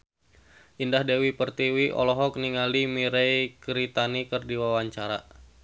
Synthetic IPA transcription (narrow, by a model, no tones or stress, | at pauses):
ʔindahdewipərt̪iwiʔɔ̰lɔɦɔk̚niŋalimiɾɛjkɾit̪anikərdiwawaɲt͡ʃaɾa̰